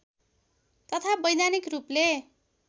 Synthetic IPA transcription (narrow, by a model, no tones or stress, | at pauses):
t̪ʌt̪ʰabʌjd̪anikruple